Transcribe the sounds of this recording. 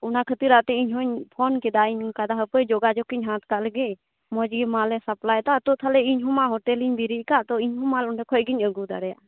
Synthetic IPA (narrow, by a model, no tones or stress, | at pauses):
ʊnakʰət̪iɾat̪ɛiɲɦɔɲpʰɔnkɛd̪aiɲkad̪aɦəpəjd͡ʒɔɡad͡ʒɔkiɲɦãt̪kalɡe | mɔd͡ʒɡimalɛsɐplajt̪at̪ɔt̪ʰalɛiɲɦɔmaɦɔʈɛliɲb̪iɾiʔkat̪ɔiɲɦɔmalɔnɛkʰɔjɡiɲəɡud̪aɾɛja̰